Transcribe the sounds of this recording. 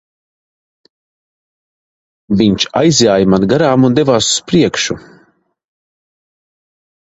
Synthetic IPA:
viɲt͡ʃa̰jzʲjaːjmanɡaɾaːmund̪ɛvaːsu̥spɾiɛkʃu

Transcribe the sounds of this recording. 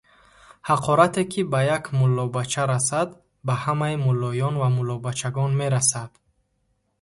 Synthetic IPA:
haqʰɔɾat̪ʰekʰibajakmulːɔbat͡ʃʰaɾasad̪ | bahamaimulːɔjɔnvamulːɔbat͡ʃʰaɡɔnme̞ɾasad̪̥

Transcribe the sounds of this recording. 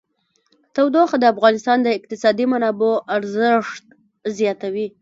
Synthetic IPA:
t̪awd̪oxad̪əafɣɑnɪst̪ɑnd̪əɪq̚t̪ɪsɑd̪imanɑboʔaɾzəʂt̪̚ | zjɑt̪awi

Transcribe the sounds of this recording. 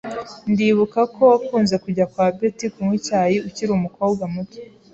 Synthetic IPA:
ndiːβukakʰo̞wakuːnze̞kuɟakwaːbetikumwicaːjiuciɾumuko̞ːb̚ɡamuto̥

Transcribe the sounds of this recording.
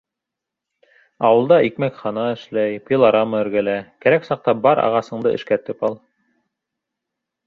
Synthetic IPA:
ɑwɤ̆lˠd̪ɑikmækχɑnɑɘ̆ʃlæjpilˠɑɾɑmɤɘ̆ɾɡælækæɾæksɑq̚t̪ɑbɑɾɑ̰ʁɑsɤ̆ɴd̪ɤʔɘ̰̆ʃkæt̪ɘpɑlˠ

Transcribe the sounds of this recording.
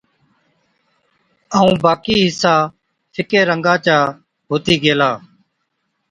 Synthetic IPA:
əːũːbaːkiːɦɪsaː | fʰɪkeːɾəŋɡãːt͡ʃaː | ɦoːt̪iːɡeːlaː

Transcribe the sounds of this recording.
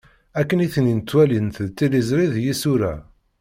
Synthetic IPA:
ækːəniθnint̪ːwælint̪əðt̪ːilizɾiðjisuɾæ̰

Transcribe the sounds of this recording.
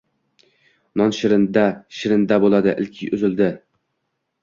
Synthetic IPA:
nɒnʃɪɾɪnd̪aʃɪɾɪnd̪abolˠad̪ɪʔɪ̰lkʲʰɪjɵzɪld̪ɪ

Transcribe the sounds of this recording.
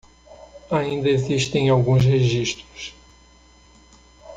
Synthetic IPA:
aĩnd̪ɐeziʃt̪ẽj̃awɡũs̬heʒiʃt̪ɾʊs

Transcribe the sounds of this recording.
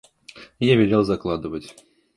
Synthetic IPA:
javʲɪlʲelˠzɐklˠad̪ɨvətʲ

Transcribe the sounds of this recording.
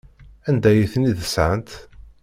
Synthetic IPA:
ænd̪æjiθniðəsʕənt̪

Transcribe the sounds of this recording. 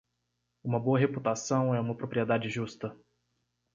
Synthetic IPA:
ũmɐboɐɦeput̪asɐ̃w̃ɛũmɐpɾopɾied̪ad͡ʒɪʒust̪ɐ

